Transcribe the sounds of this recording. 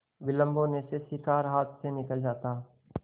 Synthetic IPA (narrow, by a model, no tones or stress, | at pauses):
bɪlə̃mbonesesɪkaːɾɦaːt̪ʰsenɪkəld͡ʒaːt̪aː